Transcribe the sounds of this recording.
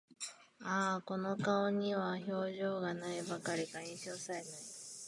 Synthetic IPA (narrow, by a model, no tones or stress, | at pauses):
aːko̞no̞kaoɲ̟iβaço̞ːʑo̞ːɡanaibakaɾʲikaĩɰ̃ɕo̞ːsaɾe̞nai